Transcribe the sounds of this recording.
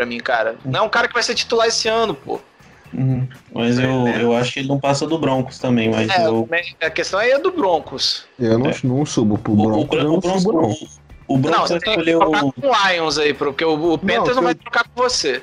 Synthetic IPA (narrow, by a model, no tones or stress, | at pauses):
pɾɐmĩkaɾɐnɐ̃ɛũkaɾɐkɪvajset͡ʃi̥t̪ulaɾesɪɐ̃nʊpo̰h | ũh̩mɐzewewaʃʊ̥kɪelɪnɐ̃w̃pasɐd̪ʊbɾõkʊ̥st̪ɐ̃bẽj̃mɐzɛewmẽɐkest̪ɐ̃w̃ɛd̪ʊbɾõkʊsewnɐ̃w̃nɐ̃w̃subʊpʊbɾõkʊɾõõ | ʊbɾñoɐ̃kw̃ʊzvaj̪eskkoʎekakõajõzaipɾpoɾkeʊʊp̪ẽñt̪eɾzñvajt̪ɾokakõvose